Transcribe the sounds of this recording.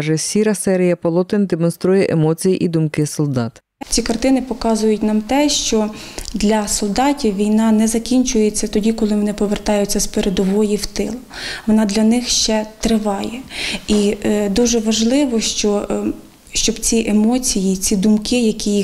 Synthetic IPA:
ʒɛsʲiɾɐsɛɾʲijɐpɔlˠɔt̪ɪnd̪emɔnst̪ɾujɛʔemɔt͡sʲijiʔid̪ʊmkɪsɔlˠd̪ɑt̪ | t͡sʲikɐrt̪ɪnɪpɔkɑzʊjʊtʲnɑmt̪ɛʃt͡ʃɔd̪lʲɐsɔlˠd̪ɑtʲiwʋʲijnɑnɛzɐkʲinʲt͡ʃʊjet͡sʲːɐt̪ɔdʲikɔlˠɪʋɔnɪpɔʋert̪ɑjʊt͡sʲːɐspeɾed̪ɔʋɔjiwt̪ɪ̰lˠʋɔnɑd̪lʲɐnɪxʃt͡ʃɛt̪ɾɪʋɑjɛid̪uʒɛʋɐʒlˠɪʋɔʃt͡ʃɔ | ʃt͡ʃɔbt͡sʲiʔemɔt͡sʲijit͡sʲid̪ʊmkɪjɐkʲiji

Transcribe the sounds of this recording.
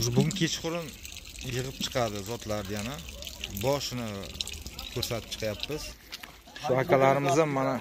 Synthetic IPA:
zbʊɡʲɪnkʲʰe̞t͡ʃqʊɾɪn | jɨʁɨp̚t͡ʃʰɨ̥qʰɑd̪ɪzɒt̪ʰlaɾd̪ajanabɒʃɪnɪ | kʰɵɾsat̪ʰɪ̥pt͡ʃʰqʰjapːɪz̥ | ʃʊhakʲʰalaɾɪmɪzd̪amːana

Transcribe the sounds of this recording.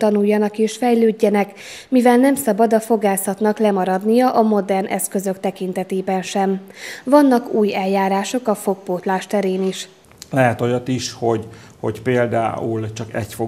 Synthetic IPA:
t̪ɒnujːɒnɒkeːʃfɛjløːɟːɛnɛk | mivɛlnɛmsɒbɒd̪ɒfo̞ɡaːsɒt̪nɒklɛmɒɾɒd̪nijɒʔɒmo̞d̪ɛrnʔɛ̰skø̞zø̞kt̪ɛkint̪ɛt̪eːbɛnʃɛmvɒnːɒkuːjɛlːaːɾaːʃo̞kɒfo̞k̚poːt̪laːʃt̪ɛɾeːniʃ | lɛɦɛt̪ojɒt̪iʃho̞ɟ | ho̰ɟpeːld̪a̰ːult͡ʃɒkɛcfo

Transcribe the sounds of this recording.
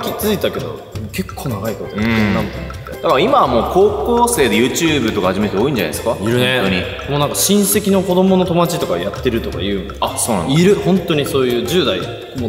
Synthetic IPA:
kʲit͡sɨit̪ake̞d̪o̞̰ | ke̞kʰːo̞ːnaɡaikot̪õenãnt̪anː | ed̪akaaimaβmo̞ːko̞ːkoːse̞ːd̪e̞jɯ̟ːt͡ɕɨːbɯ̟t̪o̞kahaʑime̞t̪eo̞ːĩɲ̟d͡ʑana̰eskaiɾɯ̟neoɲi | mo̞ːnãŋkaɕĩɰ̃se̞kʲino̞ko̞d̪o̞mo̞no̞t̪o̞mat͡ɕit̪o̞kajat̪ːe̞ɾɯ̟t̪oka̰jɯ̟ːasoːnã̰niɾɯ̟hõ̞nt̪o̞ɲ̟iso̞ːjɯ̟ːd͡ʑɨːd̪ai | mo

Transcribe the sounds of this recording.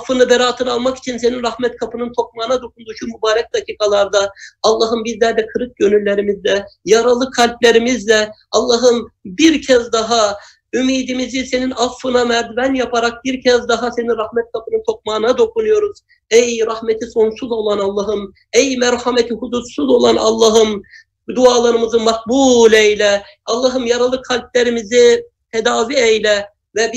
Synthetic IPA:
fːɯnɯbɛɾaːt̪ʰɯnalˠmaki̥t͡ʃʰinse̞ninɾɑhmɛt̪̚kʰapʰɯnɯnt̪ʰo̞k̚maːnad̪o̞kʰund̪uːʃʰumubaːɾɛc̚d̪acʰiːkʰalˠaɾd̪aɑlˠːɑɦɯmbizlʲæɾd̪ɛkʰɯɾɯt̪̚ɟø̞nylʲːeɾimizlʲɛjaɾalˠɯkʰːalʲplʲe̞ɾimizlʲɛɑlˠːɑɦɯmbiɾcʰɛzd̪ɑɦa | ymiːd̪imizise̞ninɑfːɯnamæɾd̪bænjapʰaɾak̚biɾcʰɛzd̪aɦase̞ninɾɑhmɛt̪̚kʰapʰɯnɯnt̪ʰo̞k̚maːnad̪o̞kʰunujo̞ɾuz̥ | ɛjɾɑhmet̪ʰiso̞nsuzo̞lˠanɑlˠːɑɦɯm | ɛjmæɾhamɛt̪ʰiɦud̪ussuzo̞lˠanɑlˠːɑɦɯm | d̪uaːlˠaɾɯmɯzɯmɑk̚buːlʲɛjlʲɛ | ɑlˠːɑɦɯmjɑɾalˠɯkʰːalʲb̚lʲeɾimizi | t̪ʰɛd̪aːviejlʲɛ | vɛb

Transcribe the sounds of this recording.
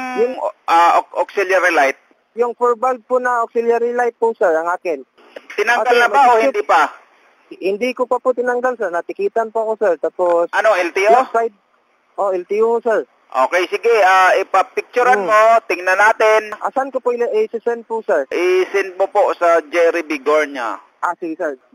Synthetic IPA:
jʊŋʔaʔokʔoksɪljaɾɪlajt̪̚ | jʊŋfɛɹbald̪̚pʊnɐʔoksɪljaɾɪlajt̪̚pʊsɛɹɐŋʔaːkɪn | t̪ɪnaŋɡalnɐbaʔoɪnd̪ipa | hɪnd̪ikopɐpʊt̪ɪnɐŋɡalsɛɹnɐt̪ɪkiːt̪ɐnpʊɐko̞sɛɹt̪aːposɐnoɪlt̪ɪoajd̪̚ | ʔoʔɪlt̪ɪjohosɛɹ | ʔoːkejsɪɡɛaːɪpɐpɪk̚t͡ʃʊɾanmot̪ɪŋnɐnaːt̪ɪnʔa̰sankopoʔɪlʔɛsɪsɛn̚pʊsɛɹʔɪsɛn̚moposɐd͡ʒɛɾɪbɪɡoɹɲa | ʔasɪɡɪsɛɹ

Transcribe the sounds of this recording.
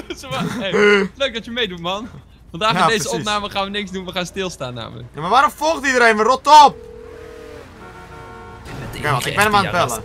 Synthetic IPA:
s | løɥk̚dɑtəmejdutmɑn | fɑndaːxdejzəɔpnaːməχaːnʋənɪkzdunʋəχaːnstɪlˠsta̰ːnːa̰ːmələ̰kjamaʋaːɾɔmfɔlˠχtidəɾejnmərɔtɔp̚ | ɛkeɔtɪɡbɛnəmanpɛlə

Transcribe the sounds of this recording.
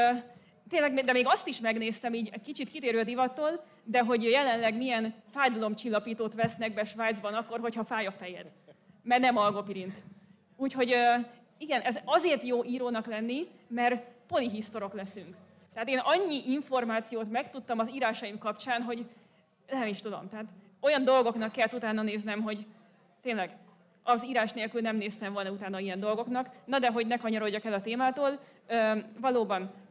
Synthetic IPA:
t̪eːnlɛɡmed̪ɛmeːɡɒst̪iʃmɛɡneːst̪ɛmiːɟɛkit͡ʃit̪kit̪eːɾøːɒd̪ivɒt̪ol | d̪ɛɦo̞ɟjɛlɛnlɛɡmijɛnfaːjd̪ɒlo̞mt͡ʃilːɒpiːt̪oːt̪ʋɛsnɛɡ̚bɛʃʋaːjd̪zbɒnɒkːo̞rɦo̞chɒfaːjɒfɛjɛ̰d̪̥ | mɛrnɛmɒlɡo̞piɾint̪ | uːcho̞ɟø | iɡɛnɛzɒzeːrt̪joːʔiːɾoːnɒklɛnːi | mɛrpo̞liɦist̪o̞ɾo̞klɛsyŋk | t̪ɛaːt̪eːnɒɲːiʔiɱfo̞rmaːt̪sijoːt̪mɛkt̪ut̪ːɒmɒziːɾaːʃɒjimkɒpt͡ʃaːnɦo̞ɟ | ɛɛmiʃt̪ud̪o̞̰mt̪ɛɦat̪ | o̞jɒnd̪o̞lɡo̞knɒkːɛlt̪ut̪aːnːɒneːznɛmɦo̞ɟ | t̪eːnlɛɡ | ɒziːɾaːʃneːlkylnɛmneːst̪ɛɱvo̞lnɒut̪aːnːɒijɛnd̪o̞lɡo̞knɒknɒd̪ɛɦo̞ɟnɛkɒɲɒɾo̞ɟːɒkɛlɒt̪eːmaːt̪oːl | øːvɒloːbɒn

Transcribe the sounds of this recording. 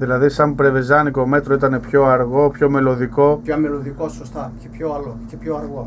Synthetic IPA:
ðilɐðisɐmpɾe̞ve̞zɐniko̞me̞t̪ɾo̞it̪ɐne̞pço̞ɐɾɣo̞pço̞me̞lo̞ðiko̞ɐmeloðikosost̪ɐcepçoɐlocepçoɐɾɣo

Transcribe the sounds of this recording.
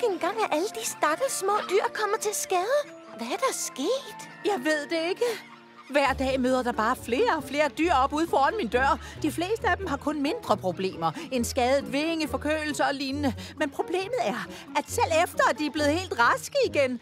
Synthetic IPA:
enɡ̥ɑ̈ŋ̰æʔæləd̥isd̥ɑ̈ɡ̥əsmɔ̰̽ːd̥yɐ̰kʰɒ̽m̰ɐt͡sʰe̝lsɡ̥ɛːðˠə | ʋæɐd̥ɑsɡ̥ḛːd̥ | jɑ̈ɪʋe̝ð̞̰ˠd̥e̝e̝ɡ̥ə | ʋæɐ̰d̥ɛ̰ːmøːðˠɐd̥ɑ̈b̥ɑ̈ːfle̝ːɐfle̝ːɐd̥yɐ̰ɒ̽b̥uð̞̰ˠfɒːɒnmind̥ɶɐ̰d̥ifle̝̰ːsd̥əæd̥emɦɑ̈kʰɔ̽nme̝nd̥ʁɐpʰʁo̝b̥le̝̰ːmɐe̝nsɡ̥ɛːð̩ˠʋeŋəfɒ̽kʰø̰ːl̩sɐɒ̽liːnənəmenpʰʁo̝b̥le̝̰ːməð̩ˠæɐ | æd̥sel̰efd̥ɐæd̥iæɐb̥le̝ð̩ˠhe̝̰ːld̥ʁɑsɡ̥əiɡ̥en

